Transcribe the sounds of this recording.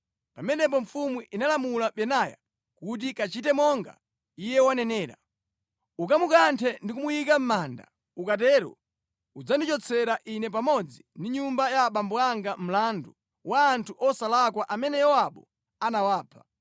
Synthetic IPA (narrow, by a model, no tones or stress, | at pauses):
pamɛnɛp̬ɔɱfumwiʔinalamulaɓɛnaja̰ | kut̬ikat͡ʃitɛmɔŋɡa̰ | ijɛwanɛnɛːɾa̰ | uk̬amukantʰɛndikumujikam̩maːnda̰ | ukatɛːɾɔ̰ | ud͡zandit͡ʃɔt͡sʰɛɾaʔinɛpamɔd͡zindiɲumbajaɓambɔaŋɡam̩landu | waːntʰuʔɔsalakwaʔamɛnɛjɔwaɓɔ̰ | anawaːpʰḁ